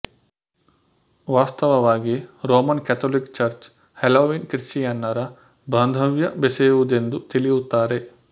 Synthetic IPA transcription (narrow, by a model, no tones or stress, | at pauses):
ʋaːst̪ɐʋɐʋaːɡiɾoːmɐnkɛt̪ʰoːlikt͡ʃɐɾt͡ʃ | heloːʋiːnkɾiʈijɐnːɐɾɐ | bʱɐnd̪ʱɐʋjɐbeseːʋud̪end̪ut̪ilijut̪ːaːɾe̞